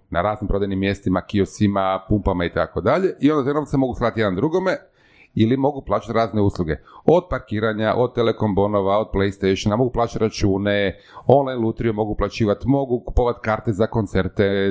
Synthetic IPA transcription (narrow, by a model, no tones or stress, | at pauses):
naɾaːznimpɾo̞d̪ajnimːje̞st̪imakiosimapumpamait̪ako̞d̪aʎe̞ʔio̞nd̪at̪enomt̪semo̞ɡuslˠaːt̪jeand̪ɾuɡome | ilimo̞ɡuplˠaːt͡ʃat̪ɾaːzne̞uslˠuɡe̞od̪̚paɾkiːɾaɲaʔod̪̚t̪ːeleko̞mbo̞noʋao̞d̪̚plejst̪ejʃonamo̞ɡuplˠaːt͡ʃat̪ɾat͡ʃuːne | o̞nlˠajnlˠut̪ɾiomo̞ɡuplˠat͡ɕiːʋat̪mo̞ɡuku̥poʋat̪kaːɾt̪e̞zako̞nt̪se̞ɾt̪e̞